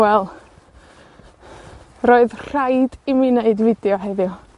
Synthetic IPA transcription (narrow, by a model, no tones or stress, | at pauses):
wɛlˠ | roːɨðr̥ajdimiːneɨdvɪdjɔɦeɨðjʊ